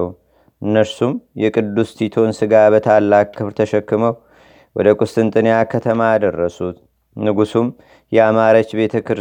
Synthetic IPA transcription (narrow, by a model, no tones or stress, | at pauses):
ʔɨnːəɾsumjɛkʼɨd̪ːust̪ʰit̪ʰo̞nsɨɡabət̪ʰalːakːɨβɾt̪ʰəʃɛkːɨməw | wɔd̪əkʼʊst̪ʼɨnt̪ʼɨnjakʰət̪ʰəmajad̪ərːəsut̪ | nɨɡusum | jɛamaɾət͡ʃːbe̞t̪ʰəkʰɨɾ